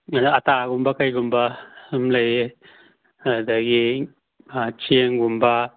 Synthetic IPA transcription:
adaataɡumbakajɡumbaɯmlaj | adaɡi | at͡ʃieŋɡumba

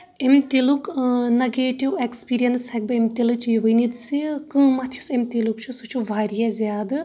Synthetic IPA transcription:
emt̪iluknɐɡeːʈiwekspiːɾijɐnsɐk̚bɐemt̪ilɨt͡ʃʰijʋɨjnid̪sikɨ̃ːmɐt̪ʰjusemt̪ilukt͡ʃʰusut͡ʃʰuʋaːɾijazʲjaːd̪ɨ

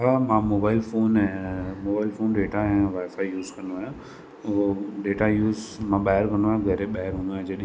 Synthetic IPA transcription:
ɦamãmoːbaːɪlfoːnɛ̃moːbaːɪlfoːnɖeːʈaɦɛ̃ʋaːɪfaːjuːzkɐ̃nd̪oaːjã | oɖeːʈajuːzmãːɓaːɦəɾkɐ̃nd̪ʋaːjãɡʱɐɾeɓaːɦəɾɦũnd̪õːd͡ʑɐɗiĩ

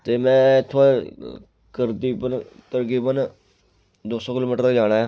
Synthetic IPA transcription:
t̪eːmɛ̃ːɪt̪ʰːa | kəɾd̪iːbənt̪əɾkiːbən | d̪oːsoːkɪloːmiːʈəɾt̪aːd͡ʒaːɽ̃aːjaː

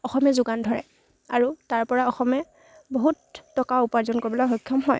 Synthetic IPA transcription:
ɔxɔmɛzuɡandʱɔɹɛ̰ | a̰ɹutaɹpɔɹaɔxɔmɛ | boɦutːɔkaupaɹzɔnkoɹibɔlɔjxɔjkʰːɔmɦɔ̰j

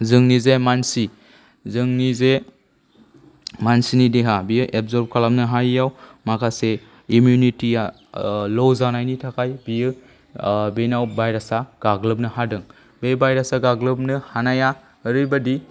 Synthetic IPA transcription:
zɯŋnizemansi | zɯŋnize | mansinideɦabijɯʔebzɔɾb̚kʰalamnɯɦajːawmakʰase | imjunitija | lɔwzanajnitʰakʰajbijɯ | benawbajɾasaɡ̥aɡlɯp̚nɯɦadɯŋ | bebajɾasaɡaɡlɯp̚nɯhanaja | əɾɯjbadi

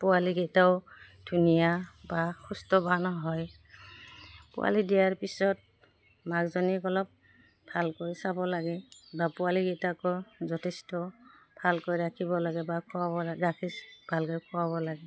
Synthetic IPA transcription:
pʊaliɡejtaʊdʱunijabaxʰustɔbanɔɦɔj | pʊ̰wa̰lidijaɹpisɔt̚ | maɡzɔnikɔlɔp̚ | bʱalkojsabɔlaɡɛbapʊwaliɡɛjtakɔzɔtʰɛstɔ | b̥ʱalkojɹakʰibɔlaɡɛbakʰɔabɔlɹakʰisb̥ʱalkɔjkʰɔwabɔlaɡɛ

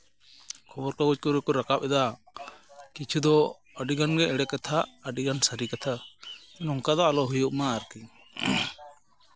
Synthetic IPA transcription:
kʰɔbɔɾkaɡud͡ʒ̚kɔɾɛkɔɾakap̚ɛd̪a | kit͡ʃʰud̪ɔ | əɖiɡanɡɛɛɽɛkat̪ʰaəɖiɡansaɾikat̪ʰa | ɛnɔŋkad̪ɔalɔɦujuʔmaːɾki

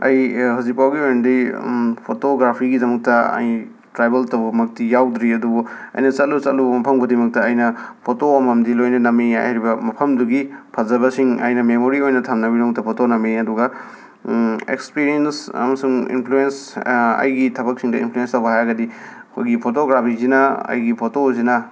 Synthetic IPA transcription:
ɐ̰jhuzik̚pawɡiojnɐdipʰotoɡɾapʰiɡidɐmɐk̚tɐɐ̰j | tɾajbeltɐwbɐmɐk̚tijawdɾiɐdubuɐ̰jnɐt͡ʃɐt̚lut͡ʃɐtlubmɐpʰɐŋbɐdimɐk̚tɐːjnɐpʰotoːmɐmdilojnɐnɐmia̰ha̰ɾibɐmɐpʰɐmduɡipʰɐzɐβɐsiŋɐ̰jnɐmemoɾiojnɐtʰamnɐbidomktɐpʰotonɐmiɐduɡɐ | ḛkspiɾiensɐ̰mɐsuŋḭnpʰluensɐ̰jɡitʰɐbɐk̚siŋdɐḭnmpʰluenstɐwbɐɦajɡɐdiɐkʰojɡipʰotoɡɾapʰizinɐɐ̰jɡipʰotozinɐ

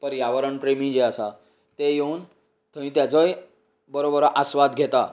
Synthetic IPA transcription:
pəɾjaʋəɾəɳpɾemĩd͡ʑeasa | t̪ejeuːn | t̪ʰə̃ĩt̪jat͡səj | bəɾobəɾʔasʋad̪ɡʱet̪a

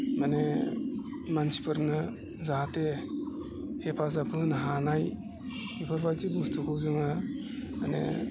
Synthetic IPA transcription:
mane | mansi̥pʰɯɾnɯ | zate | hepʰazapʰɯnaɦanaj | hepʰaɾbajtibustʰukʰɯwzɯŋama̰nḛ

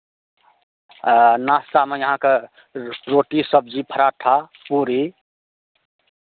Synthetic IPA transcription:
nasʈ̪amejəɦãke | ɾoʈisəb̚d͡ʒipʰəɾaʈʰapuɾi

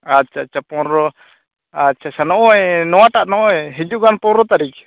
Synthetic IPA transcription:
att͡ʃʰaːt͡ʃʰːapɔnɾɔ | att͡ʃʰat͡ʃʰanɔʔɔɛnɔwaʈaʔnɔʔɔɛɦid͡ʒuʔɡanpɔnɾɔt̪aɾik

